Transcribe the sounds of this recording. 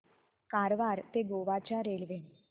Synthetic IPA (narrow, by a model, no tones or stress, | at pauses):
kaɾʋaɾt̪eɡoʋat͡ɕjaɾelʋe